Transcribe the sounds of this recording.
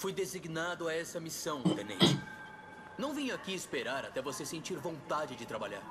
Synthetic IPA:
fujd̪eziɡnad̪ʊaɛsɐmisɐ̃w̃t̪ẽnḛ̃t͡ʃɪ | nɐ̃w̃vĩɲʊakiispeɾaɾat̪ɛvosesẽnt͡ʃiɾvõnt̪ad͡ʒɪd͡ʒɪt̪ɾabaʎa̰ɾ

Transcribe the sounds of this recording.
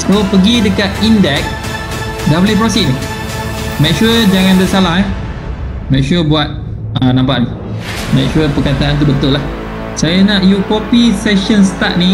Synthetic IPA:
sopəɡidəkat̪̚indɛk̚ | dablip̬ɾɔsiʔ̚ni | mɛkʃuəd͡ʒaŋãndəsalahɛ | mɛ̃k̚ʃuəbuat̪̚ | ənãmpaʔni | mɛ̃k̚ʃuəpəkat̪aant̪̬ubənt̪ʊlah | sajanaʔjukopisɛʃənst̪aʔ̪̚ni

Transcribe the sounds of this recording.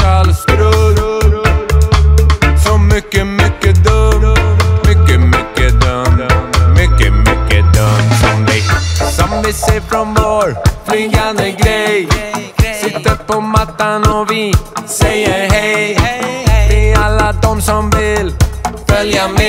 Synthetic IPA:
alsɾ | sɔmʏkːəmʏkːəd̪ɵmmʏkːəmʏkːəd̪ | mʏkːəmʏkːəd̪ɵmsɔmɪsɔmvɪseːfɾɔnvoɾpʰlʏŋɡand̪əɡɾɛj | sɪt̪ːəɾpʰɔmat̪ːanɔvɪsɛjːəɾɦɛjj | vɪalːad̪ɔmsɔmvɪlfœljam

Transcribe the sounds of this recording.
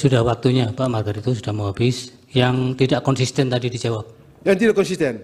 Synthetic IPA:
sudahwak̚t̪uɲapaʔmarɡaɾit̪us̬udahmoɦabɪs | jaŋt̪idaʔkɔnsist̪ɛnt̪adidid͡ʒawap̚ | jaŋt̪idakɔnsist̪ɛn

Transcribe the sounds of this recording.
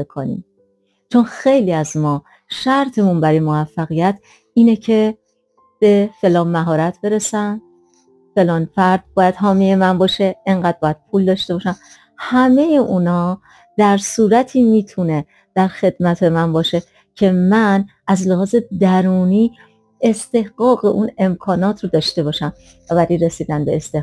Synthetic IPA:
ekʰonḭm | t͡ʃʰonxe̞jliːæzmɒː | ʃæɾt̪ʰe̞munbæɾɒːjemovæfːæɣijæt̪ʰ | iːnecʰe̞ | b̥e̞fe̞lɒːnmæɦɒːɾæt̪ʰbe̞ɾesænd̪ | fe̞lɒːnfæɾd̪̥̚bɒːjæd̪̥ɦɒːmije̞mænbɒːʃe̞eŋɢæːd̪̚bɒːjæd̪̥̚pʰuːld̪ɒːʃt̪e̞bɒːʃæm | hæme̞jeʔunɒː | d̪̥æɾsuːɾæt̪ʰiːmiːt̪ʰune̞ | d̪̥æɾxe̞d̪̥mæt̪ʰe̞mænbɒːʃe̞ | cʰe̞mæn | æzleɦɒːze̞d̪æɾuːniː | e̞st̪e̞hɢɒːɣe̞ʔuːne̞mkʰɒːnɒːt̪ʰɾod̪ɒːʃt̪e̞bɒːʃæm | ævæɾiɾe̞siːd̪ænbeːst̪eh

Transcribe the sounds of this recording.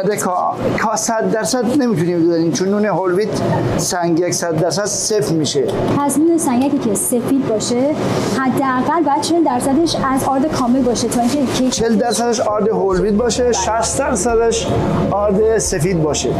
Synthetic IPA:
d̪ekʰɒ | kʰɒːsæd̪ːæɾsæd̪ne̞mit̪ʰuniːmbezæɾiːmt͡ʃʰonːuːneɦolviːd̪sæŋɡjeksæd̪ːæɾsæd̪̥sefmiːʃe | pʰæsnuːnesæŋɡækicʰese̞fiːd̪̚bɒːʃe | hæd̪ːeæɣælbɒːjæd̪̥̚t͡ʃʰe̞ld̪æɾsæd̪eʃæzɒːɾd̪ekʰɒːme̞lbɒːʃet̪ʰɒːiŋkcʰecʰet͡ʃʰeld̪æɾsæd̪æʃɒːɾd̪eɦolviːd̪̚bɒːʃeʃæst̪d̪æɾsæd̪æʃ | ʔɒːɾd̪esefiːd̪̚bɒːʃḛ

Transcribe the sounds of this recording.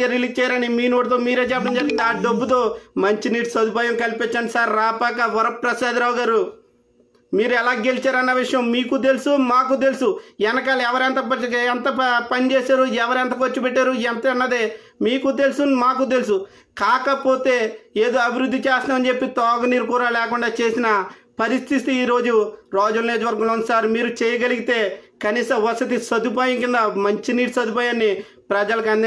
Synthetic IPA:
ɐɾilikt͡ʃɛːjaɾɐnimiːnoːʈit̪̬oːmiːɾe̞ːt͡ʃɛpːɐɽɐmd͡ʒɐɾɡɐnɖiaːɖɐbːut̪o̞ːmɐɲt͡ʃiniːʈsɐd̪ipaːjɐmkɐlipet͡ʃːaːɳɖisaːɾːaːpaːkɐʋɐɾɐpɾɐsaːd̪ɾaːwɡaːɾu | miːɾuɛlaːɡe̞lit͡ʃaːɾɐnːɐʋiʂɐjɐmːiːkut̪̬e̞lusumaːk̬ut̪̬e̞lusuɛnɐkaːlɛʋɐɾɛɐnt̪ɐɐɐnt̪ɐpɐnit͡ʃeːsaːɾuɛʋɐɾɐnt̪̬ɐkot͡ʃːupeʈːaːɾuɛnt̪ɐɐnːɐd̪eː | miːkut̪e̞lsunmaːk̬ut̪̬e̞lusu | kaːkɐpo̞ːt̪e̞ːeːd̪oːɐbʱiɾud̪ʱːit͡ʃɛːst̪naːmɐnt͡ʃe̞pːit̪ɔːɡɐniːɾkuːɾaːlɛːkuɳɖaːt͡ʃe̞ːsinɐ | pɐɾist̪ʰit̪iiːɾo̞ːd͡ʒuɾaːd͡ʒulɐnjeːd͡ʒuʋɐɾɡɐlonsaːɾmiːɾut͡ʃɛːjɐɡɐliɡit̪e̞ːkɐniːsɐ̃mʋɐsɐt̪̬isɐd̪upaːjikind̪ɐmɐɲt͡ʃiniːʈsɐd̪up̬ɐːjaːnːi | pɾɐd͡ʒɐlɐkɐnd̪i

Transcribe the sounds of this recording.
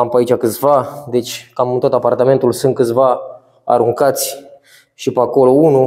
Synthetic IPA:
ampəait͡ʃʲakɨt̪sʲvad̪e̞t͡ʃʲkamɨnt̪o̞t̪apart̪ame̞nt̪ulsɨnt̪̚kɨt̪sʲva | a̰ɾuŋkat̪sʲ | ʃipəako̞lounu

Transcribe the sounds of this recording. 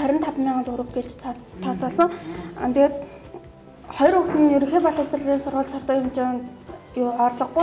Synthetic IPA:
œɾʲɪ̆nt̪ʰapmʲiːɴɢant͡sʊɾʊ̆t̪̚ɡet͡ɕt̪ʰːɔt͡sɔːɮɞ̆ŋ̰t̪eɡeːt̪ | χɔjɞ̆rxʊkt̪ɘ̆njɵɾɵ̆ŋxeːpɔɮə̆ksə̆rɮiːnsʊrʁə̆ɮsɔrt̪ɔːjʊmt͡ɕe | jʊɔrɮɞ̆χɡu

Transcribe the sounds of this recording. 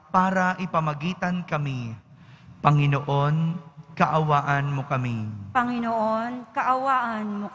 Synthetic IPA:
paːɾɐʔɪpɐmɐɡiːt̪ɐnkɐmi | pɐŋɪnoʔo̞nkɐʔɐwaːʔɐnmokɐmipɐŋɪnoʔonkɐʔɐwaːʔɐnmo

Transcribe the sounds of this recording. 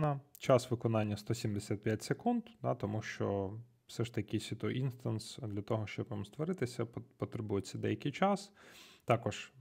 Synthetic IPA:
nɐt͡ʃɑsʋɪkɔnɑnʲːɐst̪ɔsʲimd̪esʲat̪̚pʲjatʲsekund̪d̪ɑt̪ɔmuʃt͡ʃɔ | wsɛʃt̪ɐkʲɪsʲʋʲit̪ɔʔinst̪ɐnsd̪lʲɐt̪ɔɦɔʃt͡ʃɔbʋɐmst̪ʋɔɾɪt̪ɪsʲɐppɔt̪ɾebujet͡sʲːɐd̪ɛ̰jɐkɪjt͡ʃɑst̪ɑkɔʒ̥

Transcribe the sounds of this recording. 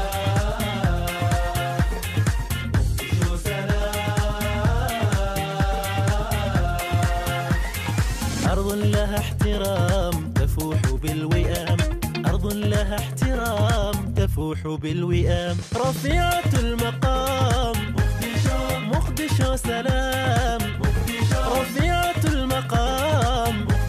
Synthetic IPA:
mʊqd̪ʃaa | ʔɑɾˤðˤlaɦaħt̪ɪɾɑːmt̪afuːħbɪlwɪʔaːmʔɑɾˤd̪ˤnlaɦaħt̪ɪɾɑːmt̪afuːħ | bɪlwɪʔaːmɾˤɑfiːʕalmɑqɑːm | mʊqd̪ɪʃasalaːm | ɾˤɑfiːʕalmɑqɑːm

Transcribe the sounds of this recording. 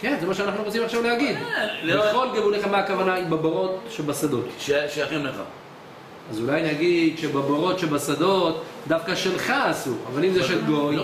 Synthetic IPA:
kenzemaʃeanaχnuʁot͡simaχʃavlehaɡideχo̞lɡevuneχameakavanaibaboʁo̞t̪ʃebasad̪o̞t̪ʃeʃajaχimleχa̰ | azulajnaɡid̪ʃebaboʁo̞tʃebasad̪o̞t̪d̪afkaʃelχaːsua̰valimzeʃetɡoj

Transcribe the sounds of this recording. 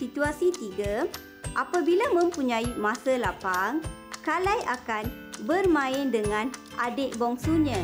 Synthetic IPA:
sit̪uasit̪iɡa | ʔapabilamə̃mpuɲãimãsalapaŋ | kalajʔakan | bərmãɪndəŋãnʔadeʔbɔŋsuɲã

